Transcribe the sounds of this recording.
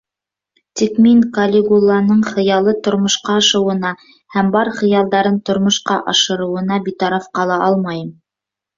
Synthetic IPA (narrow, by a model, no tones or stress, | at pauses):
t̪ikmiŋkɐlʲɪɡulˠːɑnɤɴχɤ̆jɑlˠɤt̪ŏɾmŏʃqɑɑʃɤ̆wɤ̆nɑ | hæmbɑɾχɤ̆jɑlˠd̪ɑɾɤnt̪ŏɾmŏʃqɑʔɑʃɤ̆ɾɤ̆wɤ̆nɑbit̪ɑɾɑfqɑlˠɑʔɑlˠmɑjɤm